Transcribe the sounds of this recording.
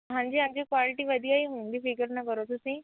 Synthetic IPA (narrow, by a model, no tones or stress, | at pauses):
ɦãɲd͡ʑiɦãɲd͡ʑikʋalɪʈiʋɐd̪ʱijaiɦũːnd̪ifiɡəɾnɐkɐɾot̪ʊsĩ